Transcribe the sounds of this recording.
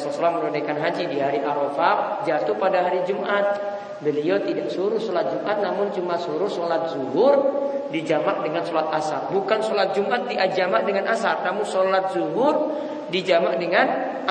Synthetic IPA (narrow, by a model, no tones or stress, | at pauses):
sɔɔsalaməlonekanɦad͡ʒidiɦaɾiʔaɾofak̚d͡ʒat̪upadaɦaɾid͡ʒumʔat̪̚ | bəliɔt̪idaksuɾʊsolat̪̚d͡ʒumʔat̪̚namʊnt͡ʃumasuɾʊhsolat̪̚zuɦʊrdid͡ʒamaʔ̚dəŋansolat̪̚asar̚bukansolat̪̚d͡ʒumʔat̪̚diʔad͡ʒamaʔ̚dəŋanʔasarnamʊnsolat̪̚zuɦʊr | did͡ʒamaʔdəŋan